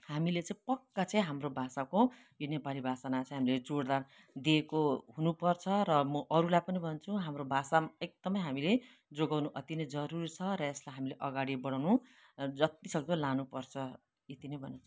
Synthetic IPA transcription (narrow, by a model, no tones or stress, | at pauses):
hamilet͡sãĩpʌkːat͡sʌĩɦamrobʱasako | jonepalibʱasanat͡sãĩɦamiled͡zoɽd̪ar | d̪iekoɦunupʌrt͡sʰʌɾʌmʌʔʌɾulajpʌnibʱʌnt͡sʰuɦamɾobʱasaek̚d̪̥ʌmʌjɦamile | d͡zoɡawnuʔʌt̪inʌjd͡zʌɾuɾit͡sʰʌɾʌeslajɦamileʔʌɡaɽibʌɽ̃awnud͡zʌt̪isʌk̚d̪olanupʌrt͡sʰʌ | jet̪inʌjbʱʌnõt͡sʰʌ